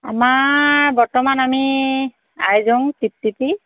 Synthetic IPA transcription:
amabɔɹtɔmanami | a̰jzɔŋtip̚tipi

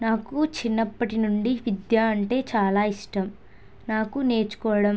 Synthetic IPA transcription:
naːkut͡ʃinːɐpːɐʈinuɳɖiʋid̪jaːɐɳʈe̞ːt͡ʃaːlaːiʂʈɐm | naːkune̞ːt͡ʃu̥kɔːʋɐɽɐ

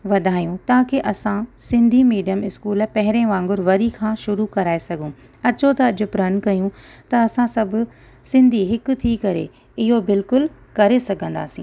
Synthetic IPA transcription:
ʋɐd̪ʱaːijũt̪ɐɦãkʰeʔɐsãsɪ̃nd̪ʱimiːɖijəmɪskuːlpɐɦɪɾẽʋãːŋɡʊɾʋɐɾikʰãːʃʊɾukɐɾaːesɐɡʱũ | ɐt͡ɕot̪ɐːʄʱʊ̆pɾɐnkɐjũt̪ɐɐsãsɐbʱʊ̆ | sɪ̃nd̪ʱiɦɪkʊ̆t̪ʰikɐɾḛ | ɪɦobɪlkʊlkɐɾesɐɡʱə̃nd̪a̰ːsĩː

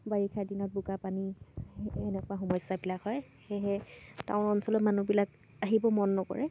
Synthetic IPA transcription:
baɹikʰadinɔt̚buɡapani | ɛnɛkʊaxɔmɔsabilakɦɔj | xɛɦɛtã̰ʊ̃ɔnsɔlɔtmanubilak | aɦibɔmɔnːɔkɔ̰ɹɛ

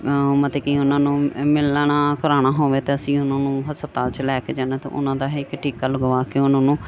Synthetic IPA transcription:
mət̪eːkiːʊnãːnũːmɪlɳaːkəɾaːɽ̃aːɦoːʋeːt̪eːəsĩːʊnãːnũːɦəspət̪aːlt͡ʃlɛːkeːd͡ʒaːnaːt̪ḛ̃ʔʊ̰nãːd̪aːɦekʈʰiːkaːləɡʋaːkeʊnãːnũː

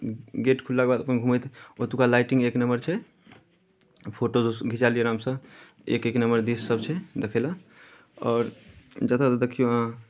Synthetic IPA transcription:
ɡeʈkʰulːakebad̪əpənɡʱuməjt̪ʰot̪ukalajʈĩŋɡeknəmbəɾt͡ʃʰɛ | pʰoʈooɡʱit͡ʃalijəɾamsə̃ | ḛkeknəməɾd̪isːəbt͡ʃʰɛd̪ekʰɛla | ɔːɾd͡ʒət̪at̪əd̪ekʰijoɦã

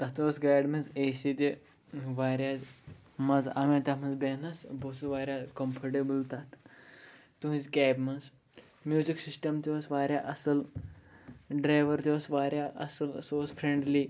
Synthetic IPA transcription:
t̪ɐt̪ɐsɡaːɖmɐzesid̪ʲi | ʋaːɾʲa | mɐza̰mẽt̪ʲɐmɐzbenɐsbosɨʋaːɾʲjakɐmpʰɐɾʈebɨlt̪ɐt̪ʰ | t̪uɦzkʲaːbmɐz | mʲjuːziksisʈɐmt̪iosʋaːɾʲjaʔɐsɐl | ɖɾaːʋɐɾt̪iʋosʋaːɾʲjaʔɐ̰sɐlsoːzfɾeɳɖli

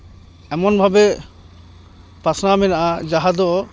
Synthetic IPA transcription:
ɛmɔnbʱabɛ | pasnamɛnaʔad͡ʒaɦad̪ɔ

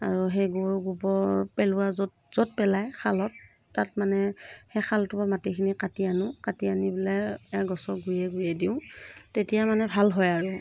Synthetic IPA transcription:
aɹuɦejɡuɹɡubɔɹpɛlʊwazɔt | z̥ɔt̚pɛlajkʰalɔtː | at̚manɛhɛxalɔtubamatikʰinikatianʊkatianibilɛɛɡɔsɔɡuɹiɛɡujɛdiʊ̃tetijamanɛbʱalɦɔjaɹu

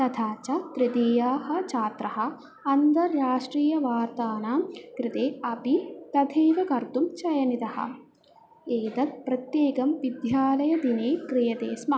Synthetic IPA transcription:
t̪ɐt̪ʰaːt͡ʃɐt̪ɾid̪iːjaːhɐ̆t͡ʃaːt̪ɾɐɦɐ̆ | ɐnt̪ɐɾjaːʂʈɾiːjɐʋaːɾt̪aːnaːkɾɪt̪eːɐpit̪ɐd̪ʱʰeːʋɐkɐɾt̪umt͡ʃɐjɐnit̪ɐhɐ̰ | eːd̪ɐt̪̚pɾɐt̪jeːkɐmʋid̪jaːlɐjɐd̪ineːkɾijɐd̪eːsmɐ

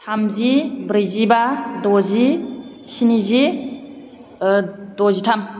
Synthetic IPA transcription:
tʰamzibɾizibadɔzi | sinizi | dɔzitʰam

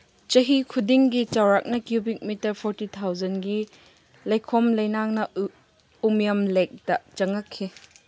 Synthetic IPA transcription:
t͡ʃɐɦikʰudiŋɡit͡ʃawɾak̚nɐkjubik̚mitɐɾpʰɔɾtit̪ʰawzɐnɡi | lɐjkʰɔmlɐjnaŋnɐ | umjɐmlek̚dɐt͡ʃɐŋɐkʰːi

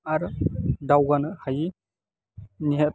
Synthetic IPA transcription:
aɾdawɡanɯhaji | niɦet

